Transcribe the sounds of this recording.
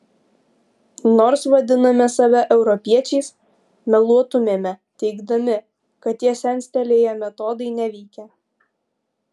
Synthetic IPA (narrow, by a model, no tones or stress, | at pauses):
noːɾsʋɐd̪ʲɪnɐmʲɛsɐʋʲɛʔɛʊɾɔpʲiɛt͡ʃʲɛɪs | mʲɛlˠuɔt̪ʊmʲeːmʲɛt̪ʲɛɪɡd̪ɐmʲɪ | kɐt̪t̪ːʲiɛsʲɛnʲsʲt̪ʲɛlʲeːjɛmʲɛt̪ɔd̪ɐɪnʲɛʋʲɛɪkʲɛ